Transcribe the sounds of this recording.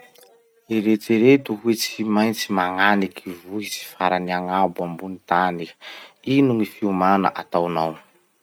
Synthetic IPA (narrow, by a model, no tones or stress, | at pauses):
eɾet͡seɾet̪uɦwet͡siimajnt͡simaŋanikivuit͡si̥faɾaniaŋabambunit̪anikinuŋifiumana̰ʔat̪awnaw